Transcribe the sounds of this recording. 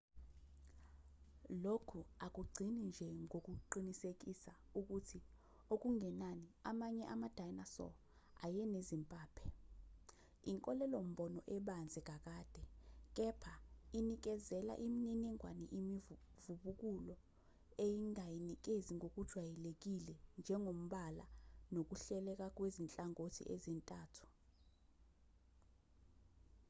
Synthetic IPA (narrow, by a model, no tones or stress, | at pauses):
lokʰuak̬ʼuɡ͡ǀʱinind͡ʒʱɛŋok̬ʼuǃinisek̬ʼisauk̬ʼutʰi | ok̬ʼuŋʱɛnaniamaɲɛʔamad̥ʱajnasɔ̰ | a̰jɛnezimpʼaːpʰɛ | iŋkʼɔlɛlom̩ɓɔnɔʔɛɓand͡zʱik̬ʼak̬ʼaːd̥ʱɛk̬ʼɛpʰainik̬ʼɛzɛla̰ʔimininiŋʱwaniʔimi | vuɓuk̬ʼulɔ | ejiŋajinik̬ʼeziŋok̬ʼud̥ʒ̥ʱwajɛlek̬ʼilɛnd͡ʒʱɛŋom̩ɓalanok̬ʼuɬɛlɛk̬ʼak̬wezint͡ɬʼaŋotʰḭʔezintʼaːtʰu̥